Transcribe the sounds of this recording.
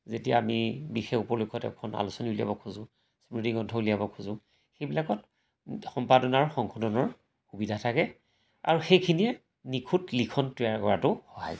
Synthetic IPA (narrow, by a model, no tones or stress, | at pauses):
zetija̰ːmibixexupɔlujkʰɔtɛ̰kʰɔna̰lusɔniulija̰bɔkʰuzʊ̃ | spɹidiŋɔntʰɔulijabɔkʰuzʊ̃ | xejbilakɔt | xɔmpadɔnaɹxɔŋkʰɔdɔnɔɹ | xubidʱatʰakɛ | a̰ɹuxejkʰiniɛ | nikʰutlikʰɔntwiaɹkɔɹatʊxɔɦa̰j